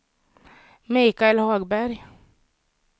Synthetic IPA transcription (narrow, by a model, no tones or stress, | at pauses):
mɪkaɛlhɑːɡbæɾj